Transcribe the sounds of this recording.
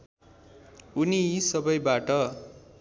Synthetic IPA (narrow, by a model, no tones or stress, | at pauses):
unisʌbʌjbaʈʌ